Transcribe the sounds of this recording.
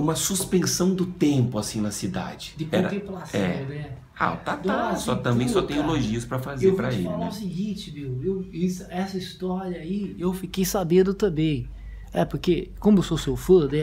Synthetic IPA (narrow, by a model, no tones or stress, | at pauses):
ũmɐsuspẽsɐ̃w̃d̪ʊt̪ẽmpʊasĩnɐsid̪a̰d͡ʒɪd̪ɪkɛõɾɐt̪ẽplasɛ̰̃d̪ɛ̃ | a̰t̪atd̪asɔt̪ɐ̃mbẽj̃sɔt̪ẽj̃ʊloʒiʊspɾɐfazewvpɾɐɪḛlfaaʊsiɡĩt͡ʃɪmewewisɐɛsɐist̪ɔɾɐaiewfikejsabẽnd̪ʊt̪ɐ̃bẽj̃ | ɛpʊɾkekõmʊewsosewfod̪ɛ